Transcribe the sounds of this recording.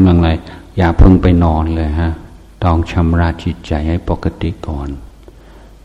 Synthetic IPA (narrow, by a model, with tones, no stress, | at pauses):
mla˧ŋla˧jjaː˨˩k̚pʰɤ˧ŋpa˧jnɔː˧nlɤː˧jɦa˦˥ʔ | t̪ɔː˧˩ŋt͡ɕʰa˧mɾaː˧˥˩t̪̚t͡ɕi˨˩t̪̚t͡ɕa˨˧jha˥˩jpo˨˩ka˧t̪i˨˩˨kɔː˨˩n